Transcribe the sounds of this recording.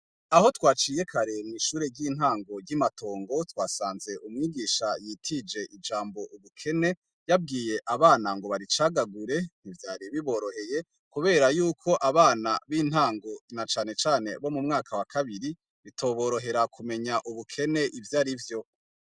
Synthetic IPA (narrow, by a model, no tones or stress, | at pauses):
aho̞twaːt͡ʃije̞kʰaɾe̞niːʃuːɾeɟɟiːn̥haːŋɡo̞ɾɟimato̞ːŋɡo̞twaːsaːnze̞ʔumŋiːɡiʃajitʰid͡ʒe̞ʔid͡ʒaːmbo̞ʔuβukʰe̞ne̞ | jab̚ɡiːje̞ʔaβaːnaŋɡo̞βaɾit͡ʃaɡaɡuɾe̞n̥ivjaːɾiβiβo̞ɾo̞he̞je̞ | kuβe̞ːɾajuːkʰo̞ʔaβaːna̰βiːn̥haːŋɡo̞nat͡ʃaːne̞t͡ʃaːne̞βo̞mumŋaːkʰawakʰaβiɾi | βitʰo̞ːβo̞ɾo̞ɦe̞ɾakʰume̞ɲaʔuβukʰe̞ne̞ʔivjaːɾivjo̞